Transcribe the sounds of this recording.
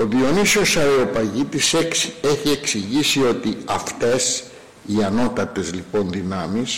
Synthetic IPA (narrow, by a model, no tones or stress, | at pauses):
o̞ðio̞nisio̞sɐɾeo̞pɐʝit̪iseçie̞ksiʝisio̞t̪iɐft̪e̞s | iɐno̞t̪ɐt̪e̞zlipo̞nðinɐmis